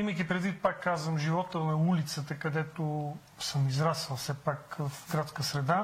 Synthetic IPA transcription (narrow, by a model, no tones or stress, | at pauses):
iməjkʲipɾɛd̪vit̪̚pakːazvəmʒivɔt̪ənɐulit̪sət̪əkɐd̪ɛt̪o | səmizɾasəlˠsɛpakvəfɡɾat̪skəsɾɛd̪a